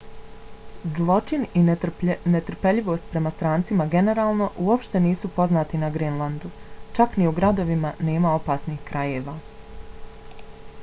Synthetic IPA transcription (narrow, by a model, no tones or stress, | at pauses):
zlˠo̞t͡ʃininet̪ɾpe̞ʎiʋo̞ːst̪̚pɾe̞mast̪ɾaːnt̪simaɡe̞ne̞ɾaːlˠno̞ʔuopʃt̪e̞niːsupo̞znaːt̪inaɡɾinlˠand̪ut͡ʃakniuɡɾad̪o̞ʋimane̞ːmao̞paːsniːxkɾaje̞ːʋa